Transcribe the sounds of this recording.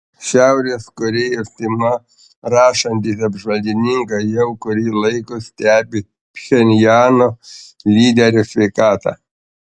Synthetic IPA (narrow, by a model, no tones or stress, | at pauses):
ʃʲæˑʊɾʲeːskʊɾʲɪɪɾt̪ʲɪmɐ | ɾɑːʃɐnʲt̪ʲiːsɐbʒʋɐlʲd̪ʲɪnʲɪŋkɐjɛʊkʊɾʲiːlˠɐɪkʊsʲt̪ʲæːbʲɪ | pʲxʲɛnʲjɑːnoːlʲiːd̪ʲɛɾʲʊsʲʋʲɛɪkɑːt̪ɑ̰ː